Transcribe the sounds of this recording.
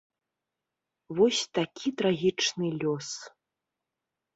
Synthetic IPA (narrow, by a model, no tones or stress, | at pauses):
vɔsʲt̪akʲʰit̪ɾaɣʲit͡ʂnɨlʲɔs